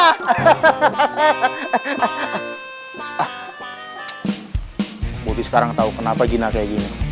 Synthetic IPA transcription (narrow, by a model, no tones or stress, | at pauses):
ah | bot̪isə̥kaɾaŋt̪aukənapaɡinakajaɡini